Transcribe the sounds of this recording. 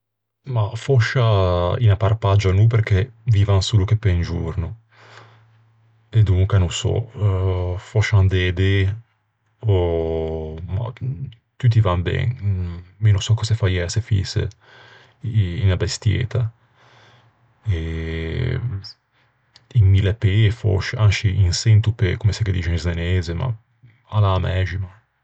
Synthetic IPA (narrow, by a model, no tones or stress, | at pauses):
mafɔʃainaparpad͡ʒanup̬eɾkeviːvaŋsulukepːend͡ʒuɾnu | ed̪uŋkanusɔ̰ | fɔʃand̪ɛd̪e | o | ma̰ | t̪yt̪̬ivambɛ̰nmenusɔkːɔsefajɛsefḭsḛ | inabest̪jɛ̰ːt̪ʰa | e | imːilepefɔ̰ʃanʃiʔinsent̪upekomeseked̪it͡ʃenizdeneːzema̰ | alaːmɛːʒima